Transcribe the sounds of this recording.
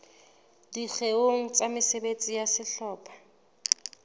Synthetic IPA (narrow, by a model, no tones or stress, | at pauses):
dik͡xɛoŋ̩t͡sʼamɪsebet͡sʼijasɪɬɔːpʰḁ